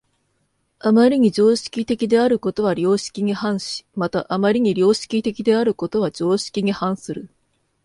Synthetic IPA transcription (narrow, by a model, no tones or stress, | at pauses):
amaɾʲiɲ̟id͡ʑo̞ːɕi̥kʲit̪e̞kʲid̪e̞aɾɯ̟ko̞t̪o̞β̞aɾʲo̞ːɕi̥kʲiɲ̟ihãɰ̃ɕi̥mat̪aʔamaɾʲiɲ̟iɾʲo̞ːɕi̥kʲit̪e̞kʲid̪e̞aɾɯ̟ko̞t̪o̞β̞ad͡ʑo̞ːɕi̥kʲiɲ̟ihãɰ̃sɨɾɯ̟